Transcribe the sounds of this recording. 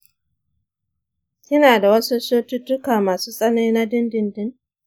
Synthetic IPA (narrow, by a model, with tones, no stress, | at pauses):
kʲɪ˦naː˨da˨wɐ˦su˦soː˦tʊ˦tːʊ˦kaː˨maː˨su˦sʼɐ˦na˦jna˦dɪ˦ndɪ˦ndɪ˦n